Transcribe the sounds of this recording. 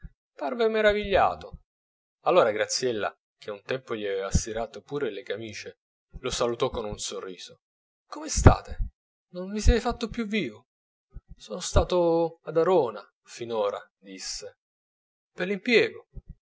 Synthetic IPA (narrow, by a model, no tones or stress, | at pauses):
parvemeɾaviʎːa̰ːt̪o | alːoːɾaɡɾat̪sːjɛlːa̰ | k̟eunt̪ɛmpoʎiɛvvasːiɾaːt̪opuːɾelekamiːt͡ʃe | losalut̪ɔkːonunsorːiːz̥o | komest̪a̰ːt̪e | nonvisɛt̪fat̪ːopːjuvːiːvo | soːnost̪aːt̪oad̪aɾoːna | finoːɾa̰ | d̪isːe | perlimpjɛːɡo